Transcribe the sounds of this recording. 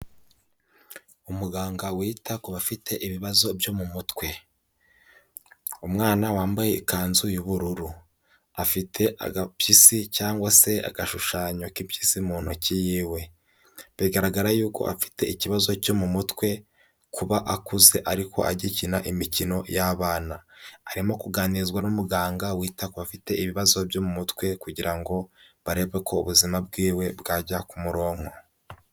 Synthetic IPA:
umuɡaːŋɡawiːtʰakuβafitʰe̞ʔiβiβazo̞bjo̞mumutkwe̞ | umŋaːnawaːmbaje̞ikaːnzujuβuɾuɾu | afitʰe̞ʔa̰ɡapjisicaːŋɡwase̞a̰ɡaʃuʃaːɲo̞kipjisimuːn̥hucijiːwe̞ | βiɡaɾaɡaɾajuːko̞̰ʔa̰fi̥te̞iciβazo̞co̞mumutkwe̞ | kuβaʔakuze̞ʔaɾikʰo̞̰a̰ɟicinaʔimicino̞jaːβaːnaːɾimo̞kuɡaːniɾizɡwanumuɡaːŋɡawiːtakoβafite̞iβiβazo̞bjomumutkwe̞kuɟiɾaŋɡo̞βaɾe̞ːβɡekʰo̞uβuzimab̚ɡiːwe̞bɡaːɟakumuɾo̞ːŋho̞

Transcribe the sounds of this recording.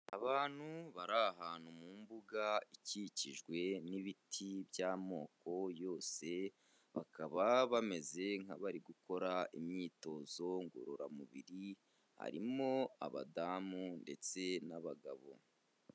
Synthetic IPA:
a̰βaːn̥huβaɾaɦaːnhumuːmbuɡaiciciʒɡwe̞niβitʰibjaːmo̞ːko̞jo̞ːse̞ | βa̰kʰaβaβame̞ze̞ŋhaβaɾiɡuko̞ɾaimɲiːto̞ːzo̞ŋɡo̰ɾoɾa̰mṵβiɾi | ha̰ɾḭmo̞a̰βa̰daːmunde̞t͡se̞naβaɡa̰βo̞̰

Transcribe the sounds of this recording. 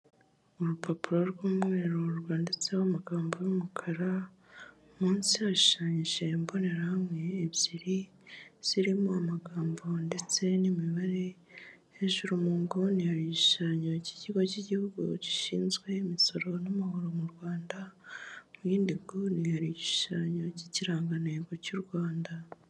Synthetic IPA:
uɾupʰopuɾo̞ɾɡwuːmŋe̞ɾoɾɡwaːnde̞t͡sewamaɡaːmbojomukʰaɾa | muːnsiaʃi̥ʃaːɲiʒe̞mbo̞ne̞ɾahamŋe̞ːβɟiɾi | z̥iɾimuamaɡaːmbo̞nde̞t͡se̞nimiβaɾe̞ | eʒuɾumuːŋɡonijaɾiʃi̥ʃaːɲo̞ci̥ciɡo̞ciɟihuɡṵɟi̥ʃḭːnzɡwe̞imiso̞ɾo̞namaɦoɾomuɾɡwaːndamujiːndiɡonijaɾiiʃaːɲo̞ciciɾaːŋɡaneɡocuɾwaːnda

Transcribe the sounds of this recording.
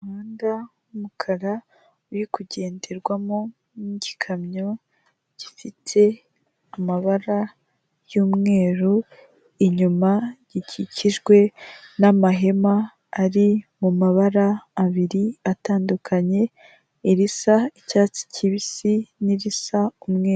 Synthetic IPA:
uaːnɡa | umukʰaɾa | ujikuɟe̞ːnde̞ɾɡwamo | niɟikʰamɲo | ɟ̥ifitʰe̞ | amaβaɾa | juːmŋe̞ːɾu | iɲumaɟ̥icʰiciʒɡwe̞namaɦe̞maː | ɾimumaβaɾaːβiɾiataːndukʰaɲe̞ | iɾisaicaːt͡si̥ciβisiniɾisaumŋeːɾu

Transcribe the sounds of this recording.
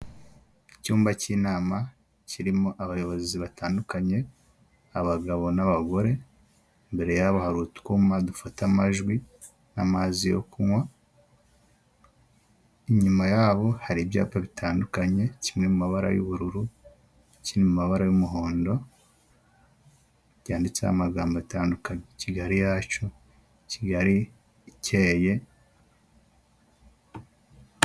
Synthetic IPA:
icuːmbaciːnaːma | ciɾimoʔaβajo̞βo̞ziβataːndukaɲe̞ | aβaɡaβo̞naβaɡo̞ɾe̞ | mbe̞ɾe̞jaβahaɾutkumadufatamaʒɡwi | namaːzijo̰kuŋwa | iɲumajaːβo̞haɾibja̰ːpaβitʰaːndukaɲe̞cimŋe̞mumaβaɾa̰jṵβuɾuɾu | cinemumaβaɾajumuɦo̞ːndo̞ | ɟaːndit͡sḛha̰maɡaːmbaβitaːndukaɲeciɡaɾijaco̞ | ciɡaɾi | cʰeːje̞

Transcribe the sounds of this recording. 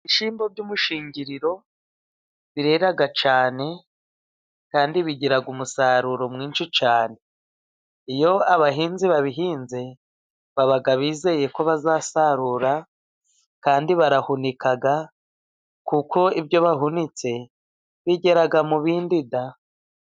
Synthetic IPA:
iʃiːmbo̞bɟumuʃiːɲɟiɾiɾo̞ | βiɾe̞ɾaɡat͡ʃaːne̞ | kaːndiβiɟiɾaɡumusaɾuɾo̞mŋiːnʃit͡ʃaːne̞ | ijo̞aβaɦiːnziβaβiɦiːnze̞ | βaβaɡaβiːze̞je̞ko̞βazaːsaɾuːɾa | kaːndiβaɾahunikaɡa | kuko̞iβjo̞βaɦunit͡se̞ | βiɟe̞ɾaɡamuβiːndida

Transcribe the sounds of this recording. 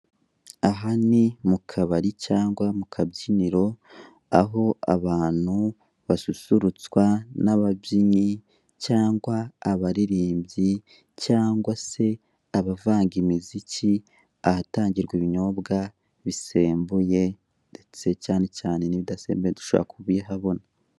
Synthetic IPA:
aɦanimukʰaβaɾicaːŋɡwamukʰabɟiniɾo̞ | a̰ɦo̞a̰βaːn̥hu | βasusuɾut͡swanaβabɟiɲi | caːŋɡwaːβaɾiɾiːmbɟi | caːŋɡwase̞ | aβavaːŋɡimizici | ahataːɲɟiɾɡwiβiɲo̞bɡa | βise̞ːmbuje̞ | ndet͡se̞caːnecaːne̞niβidasḛːmbeedu̥ʃoa̰βa̰kʰuβiɦaβo̞na

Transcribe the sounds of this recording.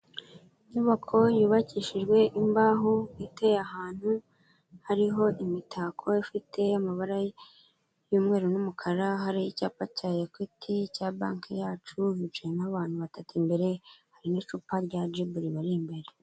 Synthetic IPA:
iɲuβakʰo̞juːβaciʃiʒɡwe̞ʔimbaːɦoitejahaːn̥hu | haɾiɦo̞ʔimitʰaːkʰo̞jifitʰe̞amaβaɾa | juːmŋe̞ːɾunumukʰaɾaɦaɾiicaːpacajekwitʰicaːba̰ːŋkʰejaːt͡ʃumit͡ʃaenaβaːn̥huβatatʰimbe̞ɾe̞haɾinit͡ʃupaɾɟad͡ʒibuɾiβaɾimbe̞ɾe

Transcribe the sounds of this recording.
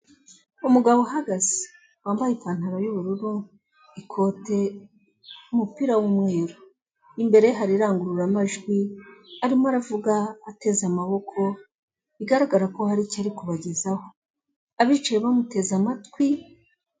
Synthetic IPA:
umuɡaβo̞ɦaɡaz̥i̥ | waːmbajipaːn̥haɾojuβuɾuɾu | ikʰo̞ːte̞ | umupiɾawumwe̞ːɾo | imbe̞ɾe̞ɦaɾiɾaːŋɡuɾuɾamaʒɡwiaɾimoaɾavuɡaːte̞zamaβo̞kʰo̞ | iɡaɾaɡaɾako̞haɾicaɾikuβaɟezaho | aβit͡ʃajeβamute̞zamatwi

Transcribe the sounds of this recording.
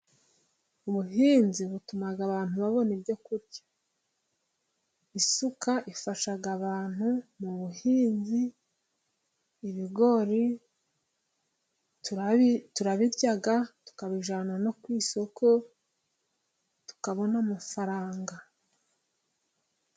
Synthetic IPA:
uβuɦiːnziβutumaɡaβaːn̥huβaβo̞nibjo̞kuɾɟḁ | isukaʔifaʃaɡaβaːn̥humuβuhiːnzi | βiɡo̞ɾi | tuɾaβiɾɟaɡatu̥kaβiʒanano̞kwiːso̞kʰo̞ | tu̥kaβo̞namafaɾaːŋɡa

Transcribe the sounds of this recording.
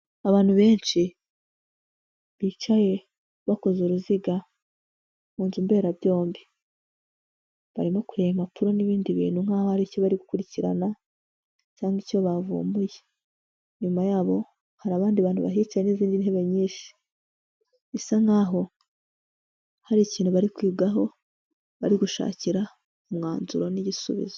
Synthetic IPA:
aβaːn̥huβe̞ːnʃi | βiːt͡ʃaje̞ | βako̞zuɾuziɡa | muːnzumbe̞ːɾaβjo̞ːmbi | βa̰ɾimo̞kuɾeimapʰuɾo̞niβiːndiβḭːn̥huŋ̥haːhohaɾicoβaɾiɡukuɾiciɾa̰na | caːŋɡico̞βavṵːmbuje | ɲumajaːβo̞ | haɾaβaːndiβaːnhuβaɦiːt͡ʃajeniziːndinhe̞βe̞ɲiːnʃi̥ | isaŋhaːɦo̞ | haɾiciːnhuβaɾikwiːbɡaɦo̞ | βaɾiɡuʃa̰ːciɾa | omŋaːnzuɾo̞niɟisṵβḭzo

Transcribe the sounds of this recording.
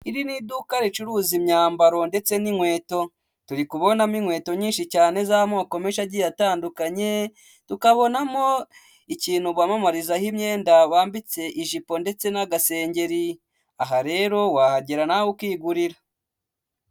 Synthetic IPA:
iɾinidukaɾet͡ʃuɾuːzimɲaːmbaɾo̞nde̞t͡se̞niŋwe̞ːto̞ | tuɾikuβo̞namiŋwe̞ːto̞ɲiːnʃicaːne̞zaamoako̞meʃaɾɟijataːndukaɲe̞ | tukaβo̞namo̞ | iciːnhuβwaːmamaɾizahimɲe̞ːndaβaːmbit͡se̞ʔiʒipo̞nde̞t͡se̞naɡase̞ːɲɟe̞ɾi | aɦaɾe̞ɾo̞waːhaɟeɾanawukwiːɡuɾiɾa

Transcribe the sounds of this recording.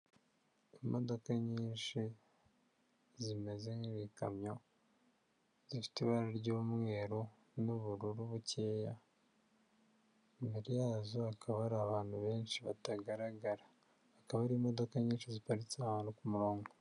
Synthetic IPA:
imʔo̞do̞kaɲiːnʃi | zime̞zeŋiɾika̰mɲo̞ | zifi̥tiβaɾaɾɟoːmŋe̞ːɾo | nuβuɾuɾuβuceːja | miɾijaːzoakʰaβaɾaːβaːn̥huβe̞ːnʃiβataɡaɾaɡaɾaː | kaβaɾiːmo̞do̞kaɲiːnʃizipaɾit͡sahaːnukumuɾoːŋɡo

